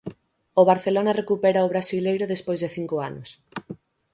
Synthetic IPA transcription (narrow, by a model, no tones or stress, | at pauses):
oβaɾθelonarekupɛɾaoβ̞ɾasilejɾʊðespojzðeθiŋkoanʊs